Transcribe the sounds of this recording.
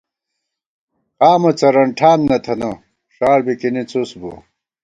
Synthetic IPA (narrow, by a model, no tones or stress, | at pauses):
qaːmɐt͡sɐɾɐɳʈʰaːnnɐt̪ʰɐnɐ | ʂaːɾbikinit͡susbṵ